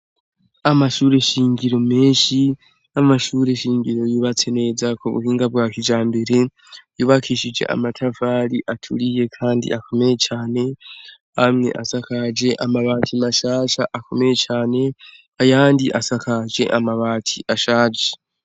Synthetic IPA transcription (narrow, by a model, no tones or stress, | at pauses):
amaʃuːɾe̞ʃiːŋɡiɾo̞meːʃi | amaʃuːɾe̞ʃiːŋɡiɾo̞juːβat͡se̞ne̞zakoβṵhiːŋɡabɡwaːkid͡ʒaːmbe̞ɾe̞ | juːβakʰiːʃid͡ʒe̞̰ʔa̰matʰavaɾiʔatʰuɾije̞kʰaːndḭako̞me̞je̞t͡ʃaːne̞ | amŋe̞̰ʔasakad͡ʒe̞ʔamaβaːtʰimaʃaːʃaʔakʰo̞me̞jet͡ʃaːne̞ | ajaːndiʔasakʰad͡ʒe̞̰ʔamaβaːtʰiʔaʃaːd͡ʒe